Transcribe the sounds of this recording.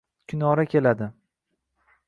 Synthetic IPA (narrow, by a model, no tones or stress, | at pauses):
kʲʰʊnɒɾakʲʰe̞lad̪ɪ